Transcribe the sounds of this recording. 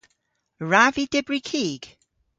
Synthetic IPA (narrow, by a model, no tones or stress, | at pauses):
ɹavidɪbɹikʰiːɡ̥